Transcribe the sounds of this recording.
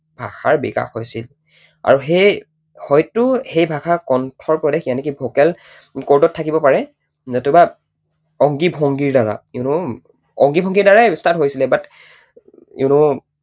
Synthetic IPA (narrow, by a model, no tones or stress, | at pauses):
bʱa̰xaɹbḭka̰xhojsil | a̰ɹuɦej | hɔjtʊhejbʱakʰakɔntʰɔɹpɔdexianɛkibʱokɛl | koɹdɔtʰːakibɔpaɹɛ | zɔtuba | ɔŋɡibʱɔŋɡiɹdaɹa̰ɪnʊ | ɔŋɡibʱɔŋɡiɹdaɹajstatɦojsilɛbat | ḭʊnʊ